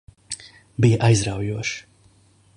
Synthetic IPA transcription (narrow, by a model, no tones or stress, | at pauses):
bijɐʔajzɾawjuɔʃ